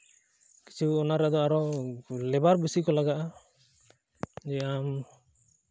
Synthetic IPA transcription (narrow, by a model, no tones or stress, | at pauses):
ki̥t͡ʃʰuɔnaɾad̪ɔaɾɔlɛbaɾbisikɔlaɡaʔa | d͡ʒɛam